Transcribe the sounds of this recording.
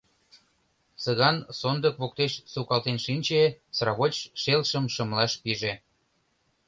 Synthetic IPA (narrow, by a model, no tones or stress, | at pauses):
səɣɑnsond̪əkβok̚t̪eʃsukɑlt̪enʃinʲt͡ɕesrɑβot͡ɕʃelʃəmʃə̆mlɑʃpiʒe